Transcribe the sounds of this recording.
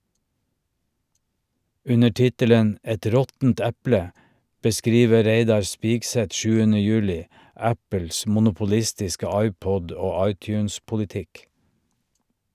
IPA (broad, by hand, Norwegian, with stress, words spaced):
ˈʉnə ˈʈɪtələn ˈʔɛt ˈɾɔtn̩t ˈæplə bəˈskɾiːʋə ˈɾeɪdɑɾ ˈspiːɡˌsɛt ˈʃʉːənə ˈjʉːlɪ ˈæpəls mʊnʊpʊˈlɪstɪskə ˈɑɪˌpɔd ˈoː ˈɑɪˌtjʉːnspʊlɪˌtɪk